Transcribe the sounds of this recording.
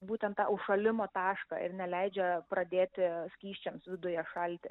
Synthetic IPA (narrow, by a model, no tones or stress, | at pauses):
buːt̪ʲɛnt̪t̪ɑ̰ːʊʃɐlʲɪmoːt̪ɑːʃkɑ̰ɪ̰ɾnʲɛlʲɛɪd͡ʒʲɛpɾɐd̪ʲeːt̪ʲɪsʲkʲiːʃʲt͡ʃʲɛmsʋʲɪd̪ʊjɛʃɐlʲt̪ʲɪ̰